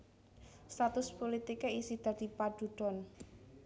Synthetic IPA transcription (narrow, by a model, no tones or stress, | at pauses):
st̪at̪ʊspolit̪ikeisid̪̥a̤d̪̥ipad̥ṳɖ̥ɔ̤n